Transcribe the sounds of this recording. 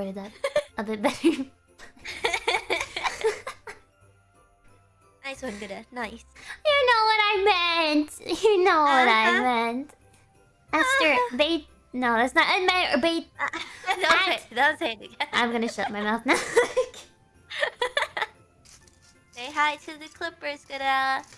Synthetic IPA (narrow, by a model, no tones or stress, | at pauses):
ɪɾɨd̚ðæt̚əbɪɾˠbɛɾə˞ | naɪswʌ̃nɡʊɾɨnaɪsjɨnoʊwʌɾaɪmɛ̃ntjɨnoʊwʌɾaɪmɛ̃nt | ðæsə˞ðeɪ | noʊðætsnəʔɨ̃nm̃əbeɪ | ðõeðõnsʰeɪnɨɡʔãɪ̃mɡʌnɨʃʌt̚maɪmaʊθnæɪk | ðeɪɦaɪtʰɨðɨkʰl̥ɪpə˞zɡ̥ɨɾə